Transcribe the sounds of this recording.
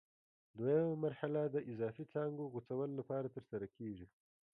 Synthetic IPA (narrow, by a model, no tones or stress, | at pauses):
d̪wajamamaɾhalad̪əʔɪzɑːfit͡sɑŋɡoɣut͡sawəlolapɑɾat̪əɾsaɾakʰeʐi